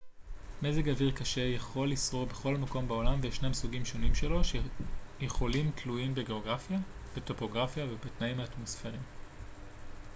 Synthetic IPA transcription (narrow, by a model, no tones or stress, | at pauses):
mezeɡaviʁkaʃe̞jaχo̞lisʁobe̞χo̞lmako̞mbeo̞lamveʃnemsuɡimʃo̞nimʃelo̞ʃjeχo̞limtʰlujimbeɡe̞oɡʁafja | b̥eto̞po̞ɡʁafjavebetnaimaːtmo̞sfe̞ʁim